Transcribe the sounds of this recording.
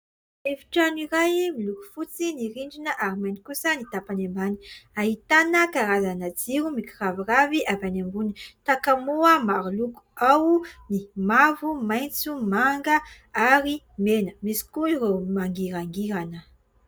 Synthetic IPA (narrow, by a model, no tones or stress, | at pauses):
efi̥ʈ͡ʂaniɾajmiluku̥fut͡siniɾiɳɖ͡ʐinəʔaɾimenikusənit̪apanembani̥aɦit̪anəkaɾazanad͡ziɾumikiraviraviʔavanambunit̪akamuəmaɾuluku̥awnimavumajnt͡sumaŋɡə | aɾi | menəmisi̥kuiɾemaŋɡiɾaŋɡiɾanə